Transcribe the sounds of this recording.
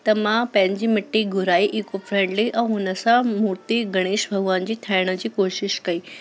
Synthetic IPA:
t̪ɐmãpɐ̃ɦɪ̃ɲd͡ʑiːmɪʈːiɡʱʊɾaːiʔikofɾẽːɳɖliʔɛ̃ɦʊnəsãmuɾt̪iɡɐɽ̃eːʃbʱɐɡʋand͡ʑiːt̪ʰaːɪɽ̃ə̆d͡ʑiːkoːʃɪʃkɐiː

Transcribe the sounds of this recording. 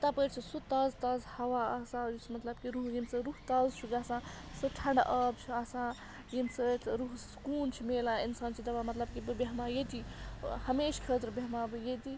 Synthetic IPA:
t̪apəɾt͡ʃʰisut̪ɐzt̪ɐzhɐʋaɐsãt͡ʃʰmɐt̪lɐbkiɾuɦjimsɨɾuɦt̪ɐzt͡ʃʰuɡasã | sɨʈʰɐɳɖaʔəp̚t͡ʃʰiasã | jimsət̪ɾuɦskuːnt͡ʃʰimelainsaːnt͡ʃʰid̪ɐʋamɐt̪lɐbkibɨbeɦmajet̪ihɐmeːʃkʰət̪ɾbeɦmabɨjet̪i

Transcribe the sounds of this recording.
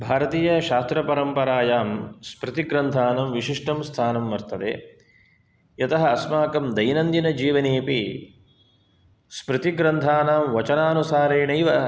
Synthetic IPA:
bʱaːɾɐt̪iːjɐʃaːst̪ɾɐpɐɾɐmpɐɾaːjaːmspɾɨt̪iɡɾɐnt̪ʰaːnɐmʋiʃiʂʈʰɐmst̪ʰaːnɐmʋɐɾt̪ɐd̪ḛː | jɐt̪ɐɦɐɐsmaːkɐmd̪ɐjnɐnd̪inɐd͡ʒiːʋɐneːpi | spɾɨt̪iɡɾɐnt̪ʰaːnaːmʋɐt͡ʃɐnaːnusaːɾeːɳɐjʋɐ

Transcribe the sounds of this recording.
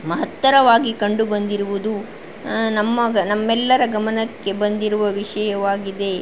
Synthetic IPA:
mɐɦɐt̪ːɐɾɐʋaːɡikɐɳɖubɐnd̪iɾuʋud̪u | nɐmːɐnɐmːɛlːɐɾɐɡɐmɐnɐkːe̞bɐnd̪iɾuʋɐʋiʂɐjɐʋaːɡid̪e̞

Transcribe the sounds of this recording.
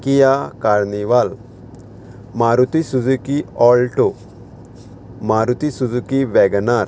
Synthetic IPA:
kijakaɾniʋal | maɾut̪isud͡zukiɔlʈo | maɾut̪isud͡zukiʋɛɡnaɾ

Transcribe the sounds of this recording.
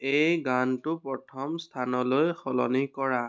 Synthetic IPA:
ejɡantʊpɹɔtʰɔmstʰanɔlojxɔlɔ̰nikɔɹa

